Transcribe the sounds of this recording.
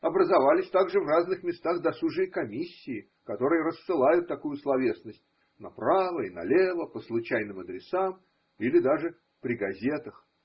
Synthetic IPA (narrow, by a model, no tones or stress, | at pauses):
ɐbɾəzɐvalʲɪsʲt̪aɡʐɨvraznɨxmʲɪst̪aɣd̪ɐsuʐɨjəkɐmʲisʲːɪː | kɐt̪o̞ɾɨjəɾəsːɨlˠajʊt̪ːɐkujʊslˠɐvʲe̞snəsʲtʲ | nɐpɾavəinɐ̰lʲevəpəslˠʊt͡ɕæjnɨmɐd̪ɾʲɪsam | ilʲɪd̪aʐɨ | pɾʲɪɡɐzʲe̞t̪əx